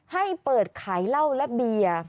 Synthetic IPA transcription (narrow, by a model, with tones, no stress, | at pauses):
ha˥˩jpɤː˨˩t̪̚kʰaː˩˦jla˥˩wlɛ˦˥bi˧ɐ